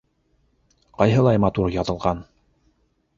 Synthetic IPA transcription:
qɑjɦɤ̆lˠɑjmɑt̪uɾjɑðɤ̆lˠʁɑn

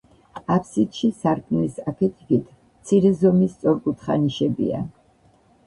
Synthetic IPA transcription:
apʰsit̪ʃisaɾkʼnisapʰɛt̪ʰiɡit̪ʰ | mt̪sʰiɾɛzɔmist̪sʼɔɾkʼut̪ʰχa̰niʃɛbḭa̰

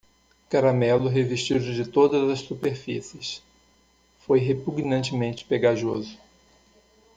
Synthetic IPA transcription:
kaɾamɛlʊɦeviʃt͡ʃid̪ʊd͡ʒɪt̪od̪ɐzɐssupeɾfisɪs | fojɦepuɡnɐ̃nt͡ʃɪmẽnt͡ʃɪ̥peɡaʒozʊ

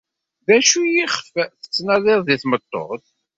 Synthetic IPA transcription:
ðæʃujiχfθə̥t͡sːnæðˤɪɾˤðiθmət̪ˤːo̰ʁθ

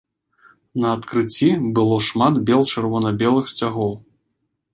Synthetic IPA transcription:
nɐːt̪kɾɨt͡sʲːibɨlˠɔʂmat̪bʲɛlˠt͡ʂɨrvɔnɐbʲɛlˠɨxsʲt͡sʲaɣɔw

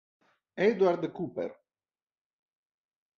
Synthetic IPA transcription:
ɛd̪waɾd̪kupɛ̰ɾ

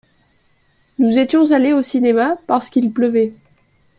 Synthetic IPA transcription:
nuzet̪jɔ̃zaleosinemapaʁsə̥kilpləvɛ

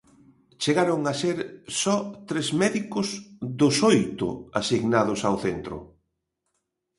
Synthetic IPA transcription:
t͡ʃeɣaɾʊŋaseɾsɔt̪ɾezmɛðikʊsðʊsojt̪ʊ̰a̰siɣnað̞ʊsawθent̪ɾʊ̰

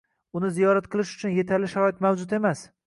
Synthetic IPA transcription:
ʊnɪzijɒɾat̪̚qʰɨlˠɪʃʊt͡ʃʰʊnje̞t̪ʰaɾlɪʃaɾɒɪt̪mawd͡ʒʊt̪e̞mas

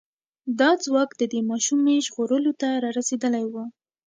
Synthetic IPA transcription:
d̪ɑd͡zwɑkd̪əd̪emɑʃumeʒɣoɾəlot̪aɾɑɾased̪əlajwə

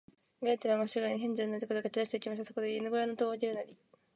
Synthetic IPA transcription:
ɡaet̪eβaŋasiɡaɲʲiɦẽɲd͡ʑɨɾɯnat̪ekod̪okatid̪aɕi̥t̪e̞ikʲimaɕit̪asokod̪einɯɡo̞janot̪oɡʲiɾɯnaɾʲi

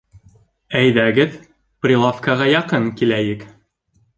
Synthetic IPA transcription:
æjðæɡɘð | prʲilˠafkɑʁɑjɑqɤŋkilæjɘk

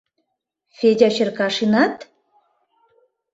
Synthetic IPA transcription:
fʲedʲɑɕɘ̆rkɑʂinɑt̪

